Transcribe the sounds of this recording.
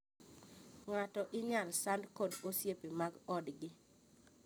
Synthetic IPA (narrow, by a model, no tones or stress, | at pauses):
ŋwatɔʔɪɲalsandkodosjepemaɡɔdɡɪ